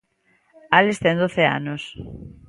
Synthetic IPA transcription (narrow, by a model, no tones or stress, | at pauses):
alest̪end̪oθea̰nos